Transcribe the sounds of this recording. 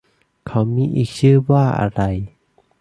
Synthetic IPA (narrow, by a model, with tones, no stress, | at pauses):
kʰa˦˥wmiː˧˥ʔiː˨˩k̚t͡ɕʰɯː˥˩waː˥˩ʔa̰˧ɾa˧j